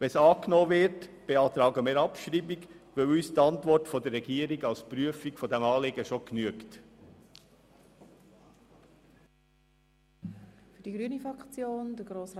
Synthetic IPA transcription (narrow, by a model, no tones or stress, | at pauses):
ʋɛnsɑːknoːvɪɾtb̥eɑːt̪ɾɑːɡəmiːɾɑpʃɾiːbɪɡʋølyːst̪ɑntvɔɾtfɔdərːɛɡiːəɾɪɡɑlspɾyəfikfɔdɛmɑːlɪːɡəʃoknyəkt | fydiɡɾyːnifʁɑkt͡sjoːndəɡɾoːs